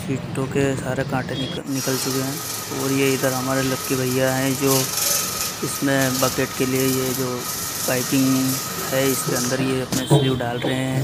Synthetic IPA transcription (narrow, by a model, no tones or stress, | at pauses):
fiːʈõkesaːɾekãːʈẽnɪ | nɪkəlt͡ʃʊkeɦɛ̃ː | ɔːɾjeɪd̪əɾɦɐmaːɾelɐkːibʱɐɪjaɦɛ̃d͡ʒoː | ɪsmẽbɐkeːʈkeliejed͡ʒoː | baːɪkɪ̃ŋɡ | hɛːɪskeɐ̃nd̪əɾjeɐpnesɐbuɖaːlɾɐɦẽɦɛ̃ː